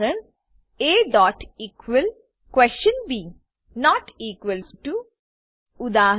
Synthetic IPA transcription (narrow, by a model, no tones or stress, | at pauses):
əɳ | eːɖɔːʈiːkʋəl | kwɛst͡ʃə̃nbiː | nɔːʈiːkwəlʈu | ʊd̪aːɦ